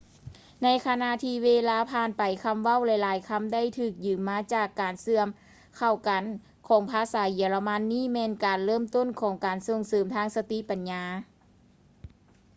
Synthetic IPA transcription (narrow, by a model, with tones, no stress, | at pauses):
na˧˥jkʰa˧na˧˨ʔt̪ʰiː˧weː˧laː˧pʰaː˧˩npa˨˩jkʰa˧˥mʋa˥˩˨wlɛ˧jlaː˨˦jkʰa˧˥˨mda˥˨jt̪ʰɯː˧˩k̚jɯː˨˩mːaː˧˥t͡ɕaː˧˩kːaː˨˩nsɯ˧˩əm | kʰa˧˩wka˨˩n | kʰɔː˨˩˦ŋpʰaː˧saː˨˦ji˨˩əla˧ma˧˥nːiː˥˨mɛː˧˥nkaː˨˩nlɤː˥˩˨mt̪o˥˨nkʰɔː˨˦ŋkaː˨˩nso˧˩ŋsɤː˨˩mt̪ʰaː˧˨ŋsa˧t̪i˧˨pa˨nɲaː˧˦